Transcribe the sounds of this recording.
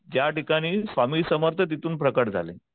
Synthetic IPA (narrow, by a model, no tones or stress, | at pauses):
d͡ʑjaʈikaɽ̃iːsʋamiːsəməɾt̪ʰət̪̬it̪uːnpɾəkəʈ̚d͡zʱa̰lḛ